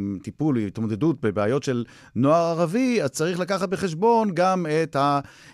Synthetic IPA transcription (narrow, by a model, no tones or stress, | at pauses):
mt̪ipulit̪mod̪e̞dut̚bebeajo̞tʃe̞l | noaʁaʁaviazt͡saʁiχlakaχat̚be̞χe̞ʃ̬bo̞nɡamet̪ha